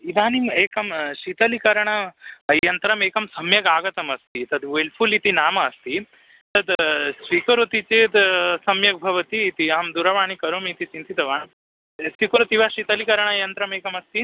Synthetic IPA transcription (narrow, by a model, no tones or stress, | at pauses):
id̪ʱaːnimeːkɐmʃit̪ɐlikɐɾɐɳɐːjɐnt̪ɾɐmeːkɐmsɐmjɐɡaːɡɐt̪ɐmɐst̪it̪ɐd̪ʋelpʰulit̪inaːmɐːst̪i | t̪ɐd̪sʋikɐɾot̪it͡ʃeːt̪sɐmjɐk̚bʱɐʋɐt̪iːt̪iaːmd̪uɾɐʋaːɳikɐɾoːmit̪it͡ʃint̪it̪ɐʋaːn | sʋikɐɾot̪iʋaːʃit̪ɐlikɐɾɐɳɐɐjɐnt̪ɾɐmeːkɐmɐst̪i